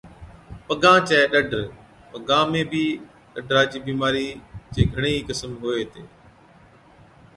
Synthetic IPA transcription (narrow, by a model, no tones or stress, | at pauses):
pəɡãːt͡ʃɛeɗəɖʱɾ | pəɡãːmẽːbiː | ɗəɖʱɾaːd͡ʒiːbiːmaːɾiːd͡ʒeːɡʱəɽ̃eːkəsəmɦoːeːt̪eː